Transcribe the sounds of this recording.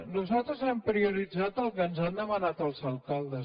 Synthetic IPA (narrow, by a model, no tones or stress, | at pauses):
nuzalˠt̪ɾəzɛmpɾiuɾid͡zat̪əlˠkənzand̪əmənat̪əlˠzəlˠkalˠd̪ə